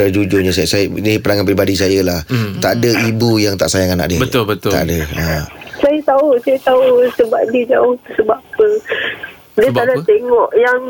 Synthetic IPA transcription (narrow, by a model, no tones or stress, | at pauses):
ad͡ʒud͡ʒʊɲãsasadipənaŋanpɾibadis̬ajalaht̪aʔadəibujaŋt̪a̰ʔsajaŋana̰ʔdibət̪ʊlbət̪ʊa̰ʔdəasajat̪ausajat̪ausəbap̚diəd͡ʒaoŋt̪əsəbapə | diəadat̪eŋɔʔjaŋ